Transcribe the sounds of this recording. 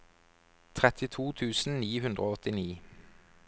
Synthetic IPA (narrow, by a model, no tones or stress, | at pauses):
t̪ʰʁɛt̪ʰɪt̪ʰuːt̪ʰʉːsn̩niːhʉnd̪ʁoːɔt̪ɪniː